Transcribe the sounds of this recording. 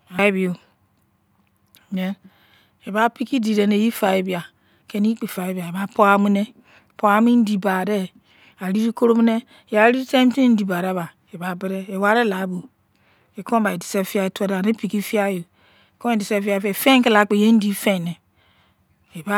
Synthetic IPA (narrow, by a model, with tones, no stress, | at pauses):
a˨i˦bi˨o˨ | ɲɛ˨n | e˨ba˦pi˦ki˦di˨ɾe˨ne˨ji˦fa˨je˨˦bi˨a˨ | ke˦ni˦i˦k͡pe˨fa˨e˦bi˨a˨e˨ba˦po˦a˦mi˦ne˦˨ | po˦a˦mi˦n̩˦di˨ba˨dɛ˦ | a˨ɾi˦ɾi˦ko˦ɾo˦mi˦ne˦ | e˨βa˨˦ɾi˦ɾi˦tã˦m˦ti˦n̩˦di˨ba˨ɾa˨˦˨βa˨ | e˨ba˨bɛ˦ɾɛ˦e˨wa˦ɾe˦la˨˦bu˨ | e˨kʰɔ̃˦ba˨e˨di˨sɛ˦fi˦a˦e˨tʷɔ˦ɾa˨ne˦pi˨ki˦fi˦a˦jo˨ | e˨kɔ̃˦e˨di˨sɛ˦fi˦a˦˨fe˨fẽ˦ŋke˦la˨˦k͡pe˨je˦n̩˦di˨˦fe˦˨ne˨ | e˨ba˦